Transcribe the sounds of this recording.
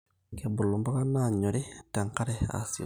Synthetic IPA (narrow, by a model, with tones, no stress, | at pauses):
ke˨bu˨lu˨mba˦ka˦na˦˨ɲo˨ɾi˦ta˨ŋka˦ɾɛa̰˨sḭ˨